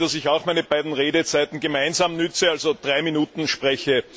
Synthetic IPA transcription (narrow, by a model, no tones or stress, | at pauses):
d̥asɪçɑʊxmæɪnəb̥aɪdn̩ʁeːdət͡sæɪt̪n̩ɡəmaɪnzaːmnʏt͡səalzod̥̪ʁaɪminuːt̪n̩ʃpʁɛçə